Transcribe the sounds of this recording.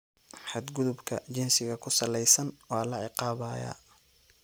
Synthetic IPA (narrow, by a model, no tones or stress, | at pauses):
ħɑd̪ɡʊðʊbkʰɐ̰t͡ʃɪnsɪɣɐkʰʊsɐlɛjsɐnwɑːlɐʕɪqɑːβɐːjɐ̰